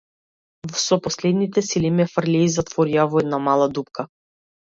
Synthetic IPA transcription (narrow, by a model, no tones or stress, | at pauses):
sɔpɔslɛd̪nit̪ɛsilimɛfr̩laizat̪vɔɾiavɔɛd̪namalˠad̪upka